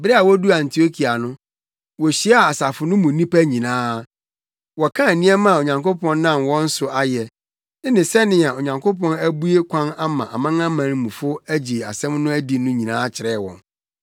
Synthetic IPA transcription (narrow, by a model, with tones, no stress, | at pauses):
bɪ˦ɾɛ˦a˨wɔ˦du˦ã˨n˨tʰi˨o˦kʰi˨a˨nʊ̃˦ | wɔ˨ɕi˨˦a˦a˦˨a˨sa˨fʊ˨nʊ̃˦mũ˨˦nĩ˦pæ˦ɲĩ˨nãː˦ | wɔ˨kʰã˦æ˨nĩ˦ɛ˦mã˦˨o˨ɲã˨ŋko˦pʰɔ̃˦nː˦nã˦mwɔ̃˦n̩˦sʊ˨ʔa˦jɛ˨ | ɪ˦nɪ̃˨sɛ˦nɪ̃˨a˨o˨ɲã˨ŋkʰo˦pɔ̃˦næ˦bu˦e˦kʷʰã˦na˦mã˨ʔa˨mã˦ŋã˦mã˨nɪ̃˦mũ˨fʊ˦æ˦d͡ʑi˨a̰˨sɛ̃˦mnʊ̃˦æ˦di˨nʊ̃˦ɲĩ˨nãː˦t͡ɕʰɪ˨ɾɛ˦˨wɔ̰̃˨n